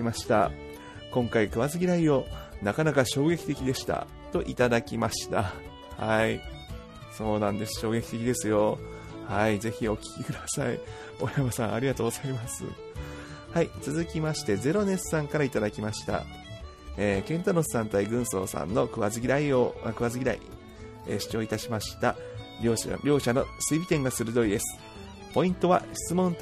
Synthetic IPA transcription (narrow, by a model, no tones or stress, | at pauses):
maɕi̥t̪a̰ | kõ̞ŋkaikɯ̟βazɨɡʲiɾaio̞nakanakaɕo̞ːɡe̞kʲi̥t̪e̞kʲid̪e̞ɕi̥t̪a̰ | t̪o̞ʔit̪ad̪akʲimaɕi̥t̪a̰ | hai | so̞ːnãnd̪e̞sɨ̥ɕo̞ːɡe̞kʲi̥t̪e̞kʲid̪e̞sɨjo̞ | haize̞çio̞kʲi̥kʲikɯd̪asaḭ | o̞jamasãɰ̃a̰ɾʲiɡat̪oːɡo̞z̥aimasɨ̰ | hait͡sɨzɨkʲimaɕi̥t̪e̞ze̞ɾo̞ne̞ssãŋkaɾait̪ad̪akʲimaɕi̥t̪a̰ | eːkẽ̞nt̪ano̞sɨ̥sãnt̪aiɡɯ̟̃ɰ̃so̞̰ːsã̰nːo̞kɯ̟βazɨɡʲiɾaioakɯ̟βazɨɡʲiɾa̰ḭ | eːɕi̥t͡ɕo̞ːit̪aɕimaɕi̥t̪aɾʲoːɾʲo̞ːɕano̞sɨibʲit̪ẽ̞ŋɡasɨɾɯ̟d̪o̞ɾid̪e̞sɨ̥ | po̞ĩnt̪o̞βaɕi̥t͡sɨmõ̞nt̪